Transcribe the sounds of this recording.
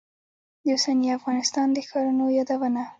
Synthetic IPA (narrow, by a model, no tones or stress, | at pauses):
d̪əosaniafɣɑnɪst̪ɑnd̪əxɑɾunojɑd̪awəna